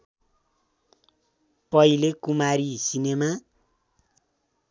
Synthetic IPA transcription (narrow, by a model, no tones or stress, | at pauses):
pʌilekumaɾisinema